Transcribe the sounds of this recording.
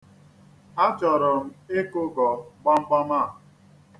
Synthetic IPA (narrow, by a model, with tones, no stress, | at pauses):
a˦t͡ʃɔ˨ɾɔ˨m̩˦e˦kʊ˦ɡɔ˨ɡ͡ba˦m̩˦k͡pa˦ma˦˨